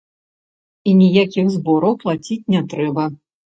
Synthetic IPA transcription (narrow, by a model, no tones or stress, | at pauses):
inʲijakʲixzbɔɾɐwplˠat͡sʲit͡sʲnʲɛt̪ɾɛbɐ